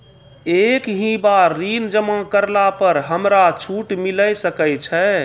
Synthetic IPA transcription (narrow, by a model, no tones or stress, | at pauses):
ekɦĩbaɾːind͡ʒəmakəɾlapəɾɦəmɾat͡ʃʰuʈmiləjsəkɛjt͡ʃʰɛ